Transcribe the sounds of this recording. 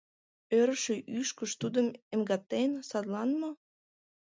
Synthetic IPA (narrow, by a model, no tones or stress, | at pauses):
øɾəʃeʔyʃkəʃt̪ud̪əmemɡɑt̪ːensɑd̪lɑnmo